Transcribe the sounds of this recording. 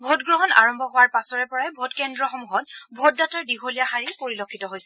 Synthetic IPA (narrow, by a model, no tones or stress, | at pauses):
bʱotɡɹɔɦɔna̰ɹɔmbʱɔɦowaɹpasɔɹɛpɔɹajbʱotkɛndɹɔxɔmuɦɔtbʱɔt̚dataɹdiɡʱolijaxaɹipoɹilokʰːitɔɦojsɛ